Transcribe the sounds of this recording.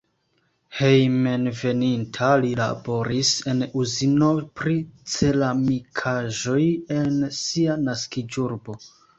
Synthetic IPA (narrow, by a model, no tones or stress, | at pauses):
he̞jmenve̞nintʰalila̰bo̞ɾise̞nuzino̞pɾit͡se̞lamikʰaʒo̞je̞nsianaskid͡ʒuɾbo̞